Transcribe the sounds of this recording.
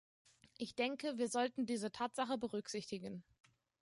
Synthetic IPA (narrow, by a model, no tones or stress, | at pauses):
ʔɪçd̥ɛŋkəviːɐzɔltn̩diːzətʰaːtz̥aχəbəʁʏkz̥ɪçtɪɡən